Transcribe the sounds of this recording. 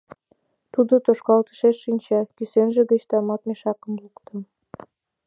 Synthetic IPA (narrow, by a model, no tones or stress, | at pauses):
t̪ud̪ot̪oʃkɑlt̪ə̥ʃeʃːinʲt͡ɕɑkysenʒeɣət͡ɕt̪ɑmɑt̪meʃɑkəmlukt̪ə̆m